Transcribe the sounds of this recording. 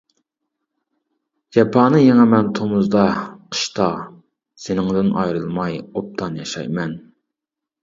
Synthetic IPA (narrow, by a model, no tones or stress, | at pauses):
ɡɛpʰɑːnɨjeŋæmɛnt̪ʰomʊzd̪ɑqʰə̥ʃt̪ʰɑ | senɪŋd̪ɪnʔɑjɾɨlˠmɑjop̚t̪ʰɑnjɑʃɑ̰jmɛn